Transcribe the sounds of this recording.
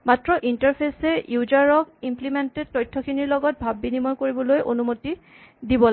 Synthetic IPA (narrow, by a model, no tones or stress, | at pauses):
matɹɔʔintaɹpʰesɛjuzaɹɔkimplimented̚tɔjtʰːɔkʰiniɹlɔɡɔt̚bʱabːinimɔjkoɹibɔlojʔonumoti | dibɔla